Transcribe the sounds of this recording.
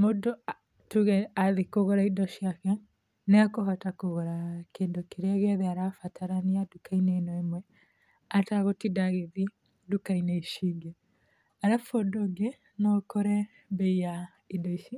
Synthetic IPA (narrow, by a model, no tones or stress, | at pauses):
modɔ | tuɣɛaðikoɣɔɾaidɔʃiakɛ | nɛakoɦatakoɣɔɾakeːndokeɾeaɣeaðeaɾafataɾaniadukainenɔemwɛ | ataɣotidaɣeði | dukainɛiʃiɡɛ | aɾafɔdoɡe | nɔkɔɾɛ | bɛija | idɔiʃi